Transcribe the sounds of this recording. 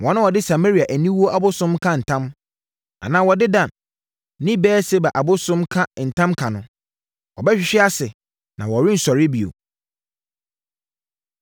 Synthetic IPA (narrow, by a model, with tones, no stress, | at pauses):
wɔ̃˨nʊ̃˦wɔ˨dɪ˦sa˨me˦ɾi˨a˨ʔæ˨nĩ˦wu˦o˦ʔa˨bʊ˦sʊ̃˦mkʰã˦n̩˨tʰã˦m | a̰˨nã˨wɔ˨dɪ˦dã˨n˦ | nĩ˦bɛː˦se˦ba˨ʔa˨bʊ˦sʊ̃˦mkʰa˦n̩˨tʰã˦mkʰa˨nʊ̃˨ | wɔ˨bɛ˦ɕᶣɪ˨˦ɕᶣɪ˦a˦sɪ˨ | nã˨wɔ˨ɾɪ̃˦n̩˨sɔ˨ɾɪ˦bi˨o̰˨